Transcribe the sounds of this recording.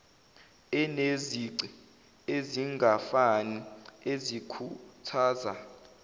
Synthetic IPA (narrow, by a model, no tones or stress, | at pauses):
ɛneziǀi | eziŋɡʱafaniezikʰutʰaːza̰